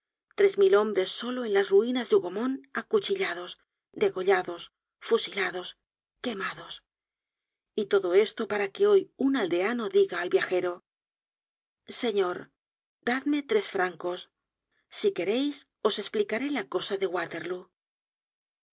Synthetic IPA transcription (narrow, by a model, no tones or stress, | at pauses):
t̪ɾe̞zmilo̞mbɾe̞sːo̞lo̞e̞nlazruinazðeuɣo̞mo̞nakut͡ʃiʎað̞o̞s | d̪e̞ɣo̞ʎaðo̞s | fusilaðo̞s | ke̞maðo̞s | it̪o̞ðo̞e̞st̪o̞paɾake̞o̞junald̪e̞ano̞ðiɣaːlbjaxe̞ɾo̞ | se̞ɲo̞ɾ | d̪aðme̞t̪ɾe̞sfɾaŋko̞sː | ike̞ɾe̞js | o̞sesplikaɾe̞lako̞saðe̞ɣwat̪e̞ɾlu